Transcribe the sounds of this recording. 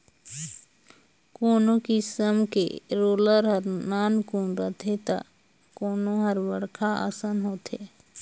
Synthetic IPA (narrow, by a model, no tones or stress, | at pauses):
koːnõkisəmkḛɾoːləɾɦəɾnaːnkuːnɾət̪ʰet̪a̰ | koːnõɦəɾʋəɾkʰaa̰sənɦoːt̪eː